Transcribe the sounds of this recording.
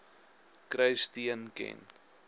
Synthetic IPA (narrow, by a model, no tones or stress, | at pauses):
kɾəjstiənkɛ̰n